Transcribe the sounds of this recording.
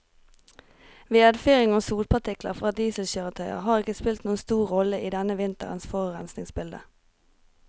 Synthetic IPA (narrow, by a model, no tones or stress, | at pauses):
ʋeːɛd̪fyʁɪŋoːsuːlpʰɑt̪ʰɪklə̰ʁfʁɑːd̪iːsl̩çøːʁət̪ʰœʏə̰ʁhɑːʁɪkəspɪlt̪nuːənst̪uːʁʁɔləʔiːd̪ɛnəʋɪnt̪ə̰ʁənsfoːʁəʁɛnsnɪŋsbɪld̪ə̰